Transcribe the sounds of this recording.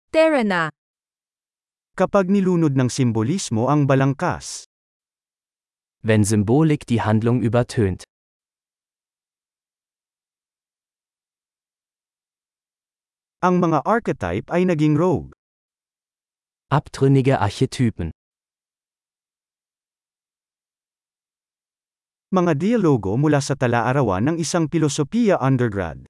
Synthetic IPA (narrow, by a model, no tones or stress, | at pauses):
t̪ɛɹɛna | kɐpaɡ̚nɪluːnod̪̚nɐŋsɪmbolismoʔɐŋbɐlɐŋka̰s | vɛnzʏmboːlɪkd̥iːhand̪lʊŋʔyːbɐtʰøːnt | ʔɐŋmɐŋaʔaɹkɛt̪a̰jpɐjnɐɡiŋɹowɡ̚ | ʔapt̪ʁʏnɪɡəʔaɐçɛtʰyːpn̩ | mɐŋad̪ijɐloːɡo̞mʊlaːsɐt̪ɐlaʔɐɾɐwa̰nːɐŋɪsaŋpɪlosopiːjɐʔɐnd̪ɛɹɡɹa̰d̪̚